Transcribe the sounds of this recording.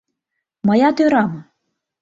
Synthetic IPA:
mɐjat̪ɪɾamɐ

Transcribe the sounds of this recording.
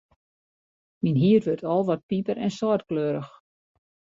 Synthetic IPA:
minɦiərʋørtʰɔlˠʋɔt̚pipəɾɛnsɔrtkløːɾəx

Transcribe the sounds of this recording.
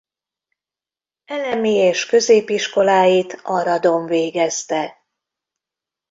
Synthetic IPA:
ɛlɛmieːʃkø̞zeːpiʃko̞laːjit̪ʰɒɾɒd̪o̞ɱveːɡɛst̪ɛ

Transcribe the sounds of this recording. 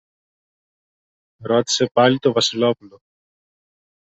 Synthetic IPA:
ɾot̪i̥sepalit̪ovɐsilopulo

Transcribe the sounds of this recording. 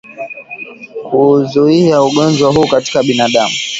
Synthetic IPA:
kʰuzuiauɠɔnd͡ʒwaɦuːkati̥kaɓinaɗamu

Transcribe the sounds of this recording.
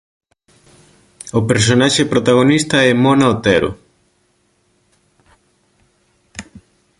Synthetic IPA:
opeɾsonaʃepɾot̪aɣ̞onist̪ɐɛmonaot̪ɛɾo̰

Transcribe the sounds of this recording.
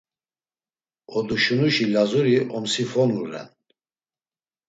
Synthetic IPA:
ɔd̪uʃunuʃilazuɾiʔɔmsifɔnlulɛ̰n

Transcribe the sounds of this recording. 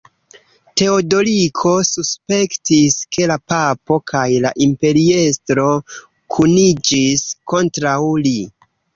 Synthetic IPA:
te̞odo̞likʰo̞suspe̞ktiskʰe̞lapapo̞kʰajlaʔimpe̞ɾiestɾo̞ | kʰunid͡ʒisko̞ntɾawli

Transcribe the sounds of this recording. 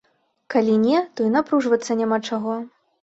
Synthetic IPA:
kalʲinʲɛt̪ɔinapɾuʐvɐt̪sːɐnʲamat͡ʂaɣɔ

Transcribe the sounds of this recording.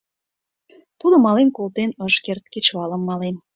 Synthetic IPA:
t̪ud̪ə̆mɑlenkolt̪enəʃkert̪̚ket͡ɕβɑlə̆mːɑlen

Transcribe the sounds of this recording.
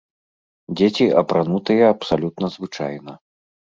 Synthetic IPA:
dd͡zʲet͡sʲiʔɐpɾanut̪ɨjɐɐpsalʲut̪nɐzvɨt͡ʂa̰jnɐ

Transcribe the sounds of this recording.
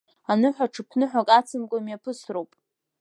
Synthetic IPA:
anɨħʷaʈ͡ʂʰɨpʰnɨħʷakʼat͡sʰɨmkʷʼamjapʰɨsrowpʼ

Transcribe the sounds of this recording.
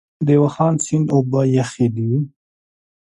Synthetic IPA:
d̪ewaxɑːnsɪnd̪obajaxid̪i

